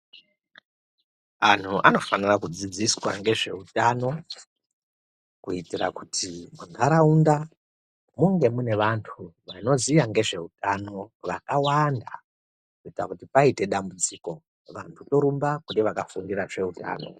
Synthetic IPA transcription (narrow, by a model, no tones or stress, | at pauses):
an̤ʰuʔa̰no̞fanirakud͡zid͡ziswaŋɡe̞ʐe̞̰utano̞ | kuitira̰kutʰimunʱaɾaunda | muŋɡe̞mune̞ʋantʰuʋano̞zijaŋɡe̞ʐe̞utano̞ʋakawanda | kuitirakutipaite̞ɗambud͡ziko̞ | ʋa̰ntʰuto̞ɾumbakundeʋakafundiraʐe̞uta̰ːno̞̰